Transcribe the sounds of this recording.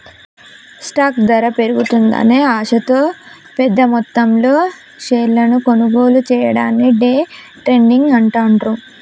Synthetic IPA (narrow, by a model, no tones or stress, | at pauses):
sʈaːkd̪ɐɾɐpe̞ɾuɡut̪und̪ɐ̰neːaːʂɐt̪o̞ː | pɛd̪ːɐmɔt̪ːɐmlo̞ː | ʃeːlɐnuko̞nuɡo̞ːlut͡ʃɛːjɐɽaːnːiɖeː | ʈɾe̞ɳɖiŋɡɐɳʈaːɳʈɾu